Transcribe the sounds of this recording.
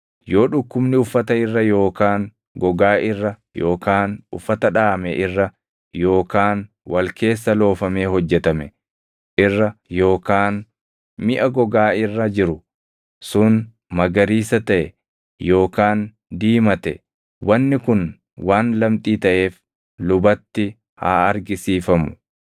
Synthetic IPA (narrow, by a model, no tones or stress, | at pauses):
jo̞ːᶑʊkːʊbnɪʊfːɐt̪ɐɪrːɐjo̞ːkaːn | ɡɔɡaːʔɪrːɐ | jo̞ːkaːnʊ̰fːɐt̪ɐᶑaːmɛ̰ʔɪrːɐ | jo̞ːkaːn | wɐlkʰe̞ːsːɐlo̞ːfɐme̞ːhɔd͡ʒːɛt̪ɐmɛ | ʔɪrːɐjo̞ːkaːn | mɪʔɐɡɔɡaːɪrːɐd͡ʒɪɾʊ | sʊn | mɐɡɐɾiːsɐt̪ɐʔɛ | jo̞ːkaːn | d̪iːmɐt̪ɛ | wɐnːɪkʊn | waːnlɐmt̪ʼiːt̪ɐʔe̞ːf | lʊbɐt̪ːɪ | ha̰ːɐɾɡɪsiːfɐmʊ̥